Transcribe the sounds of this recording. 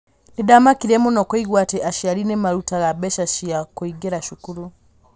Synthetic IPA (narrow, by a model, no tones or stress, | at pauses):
nidamakiɾɛmunɔkɔiɣwatɛʔaʃiaɾinɛmaɾutaɣabɛʃaʃiakuiɡɛɾaʃukuɾu